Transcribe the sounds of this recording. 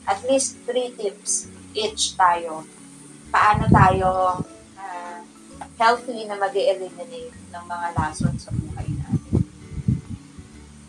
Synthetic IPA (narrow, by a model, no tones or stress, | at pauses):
ʔɐt̪list̪ːɾit̪ɪp̚s | ʔɪt͡ʃt̪aːjo̞ | pɐʔaːnot̪aːjo | ʔa | hɛlθinɐmɐɡɛʔɛlɪmɪnejt̪nɐŋmɐŋalaːsonsɐbuːhɐjnaːt̪ɛn